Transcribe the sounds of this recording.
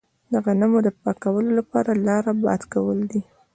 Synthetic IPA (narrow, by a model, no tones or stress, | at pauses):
d̪əɣanamod̪əpɑkawəlolapɑ̰ɾalɑɾabɑ̰d̪kawəld̪i